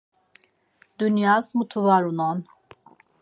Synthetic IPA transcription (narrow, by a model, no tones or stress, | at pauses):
d̪unjazmut̪ʰuvaɾunɔn